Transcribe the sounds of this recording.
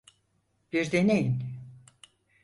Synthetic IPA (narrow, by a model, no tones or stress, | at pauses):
b̥iɾd̪enejin